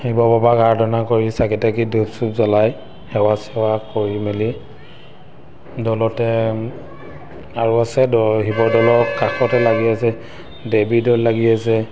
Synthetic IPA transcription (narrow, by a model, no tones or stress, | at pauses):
hibɔbabakaɹdɔnakoɹisakɛtakidusupzɔlaj | hɛwasɛwakoɹimeli | dɔlɔtɛ | aɹuasɛdɔɦibɔdɔlɔkakʰɔtɛlaɡiasɛ | debidɔllːaɡiasɛ